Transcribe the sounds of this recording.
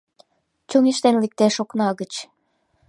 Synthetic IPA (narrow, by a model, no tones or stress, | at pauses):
t͡ɕuŋiʃt̪enlek̚t̪eʃoknɑɣət͡ɕ